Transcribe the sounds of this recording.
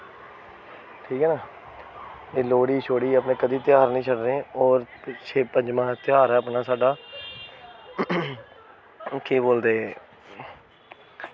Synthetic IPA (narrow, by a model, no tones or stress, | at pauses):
ʈʰiːkɦɛːnaː | eːloːɽiːt͡ʃʰoːɽiːəpnẽːkəd̪iːt̪ɪjaːɾnəĩːt͡ʃʰəɖɾẽːɔːɾt͡ʃʰeːpəɲd͡ʒmãːt̪ɪaːɾɛːəpnaːsaːɖaː | keːboːld̪eː